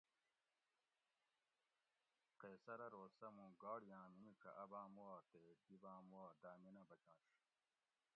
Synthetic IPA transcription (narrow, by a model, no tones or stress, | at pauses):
qeːsɐɾɐɾoːsɐmũɡaːɽijãːminikʰɐʔɐbãːmuaːt̪ed̪ibãːmuwaːd̪aːminɐbɐt͡ɕãːʂ